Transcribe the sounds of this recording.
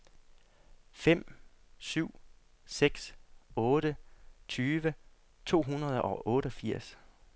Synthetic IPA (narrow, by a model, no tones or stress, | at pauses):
fem̰syʊ̰ | seɡ̥sɔ̽ːɾ̥ət͡sʰyːʋə | t͡sʰo̝̰ːɦunɐðˠʔɒ̽ʔɔ̽ːɾəɒ̽fiɐ̰s